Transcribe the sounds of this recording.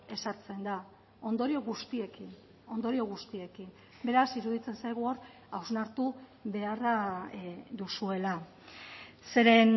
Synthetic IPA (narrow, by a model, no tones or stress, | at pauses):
e̞saɾt͡se̞nd̪a | o̞nd̪o̞ɾio̞ɣust̪ie̞kin | o̞nd̪o̞ɾio̞ɣ̞ust̪ie̞kim | be̞ɾasiɾuðit͡se̞nsajɣ̞uo̞ɾ | awznaɾt̪uβe̞ara | d̪usue̞la | se̞ɾe̞n